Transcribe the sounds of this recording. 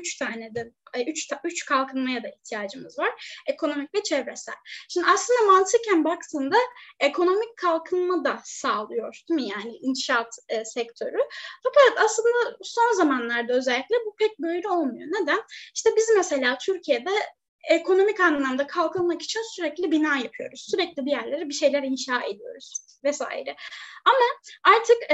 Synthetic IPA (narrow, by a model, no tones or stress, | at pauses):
yt͡ʃt̪ʰaːnɛd̪ɛyt͡ʃt̪ʰayt͡ʃkʰalˠkʰɯnmajad̪aiht̪ʰijaːd͡ʒɯmɯzvaɾ̥e̞kʰo̞no̞mic̚vɛt͡ʃʰɛvɾɛsæ̰lʲʃimd̪iaslˠɯnd̪amant̪ʰɯcʰænbakt̪ʰɯnd̪aekʰo̞no̞micʰːalˠkʰɯnmad̪asaːlˠɯjo̞ɾd̪imɯjaːnɪinʃat̪ːsɛc̚t̪ʰø̞ɾyfakeɛt̪aslˠɯnd̪aso̞nzamanlˠaɾd̪aø̞zɛlʲːiclʲɛbupʰɛc̚bø̞jɾʲyo̞lˠmujo̞ned̪æniʃt̪ɛbizmese̞lʲaːt̪ʰyɾcʰijed̪ɛ | ekʰo̞no̞micanlːˠamd̪akʰalˠkʰɯlˠmaki̥t͡ʃʰinsyɾɛclʲibinaːjapʰɯjo̞̰ɾuz̥syɾɛclʲibijæɾlʲe̞ɾibiʃe̞jlʲæɾinʃaːe̞̰d̪ijo̞̰ɾuz̥ | vɛsa̰ːjḭɾɛamaaɾt̪ʰɯk